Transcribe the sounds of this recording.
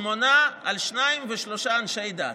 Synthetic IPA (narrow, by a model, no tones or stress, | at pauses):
monaalʃnaimveʃloʃaːnʃe̞jd̪a̰